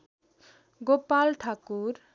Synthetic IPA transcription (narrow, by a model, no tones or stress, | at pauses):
ɡopalʈʰakuɾ